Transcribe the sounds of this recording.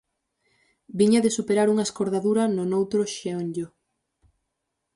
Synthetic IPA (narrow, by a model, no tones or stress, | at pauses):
biɲɐðesupeɾaɾuŋɐeskoɾðaðuɾɐnʊnowt̪ɾʊʃeoɲɟo